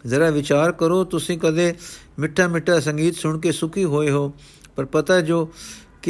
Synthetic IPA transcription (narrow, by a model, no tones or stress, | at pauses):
zəɽaːʋɪt͡ʃaːɾkəɾoːt̪ʊsĩːkəd̪eː | mɪʈʰːaːmɪʈʰːaːs̬ə̃ŋɡiːt̪sʊɳkeːsʊkʰiːɦoːeːɦoː | pəɾpət̪aːd͡ʒoː | k